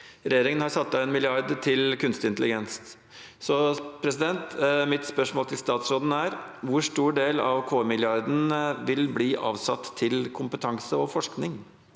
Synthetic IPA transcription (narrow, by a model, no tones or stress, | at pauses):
ɾɛjeːɾɪŋənhɑɾsɑt̪ːɑɛnmɪlɪɑɾd̪t̪ʰɪlkʰʉnst̪ɪnt̪əlɪɡɛns | sɔpʰɾɛsɪd̪ɛnt̪mɪt̪spœʂmoːlt̪ʰɪlst̪ɑːt̪sɾoːd̪n̩æɾʋʊɾʂt̪uːɖeːlɑ̰ʋkʰoːmɪlɪɑɾd̪n̩ʋɪlbliːʔɑ̰ːʋsɑt̪ʰːɪlkʰʊmpət̪ʰɑŋsəɔfɔʂknɪŋ